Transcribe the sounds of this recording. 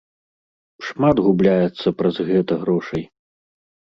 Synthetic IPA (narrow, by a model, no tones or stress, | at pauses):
ʂmad̪ɣublʲajɛt̪sːɐpɾɐzɣɛt̪ɐɣɾɔʂɐj